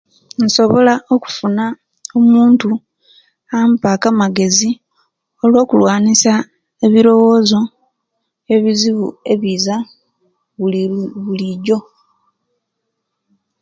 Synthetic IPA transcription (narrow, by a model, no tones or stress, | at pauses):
n̩so̞βo̞lao̞ku̥funa | omuːntu | ampakamaɡe̞zi | o̞lwo̞ːkulwaːnisa | eβiɾo̞wo̞ːzo̞ | e̞βiziβṵe̞βiːza | βuβuliɟo̞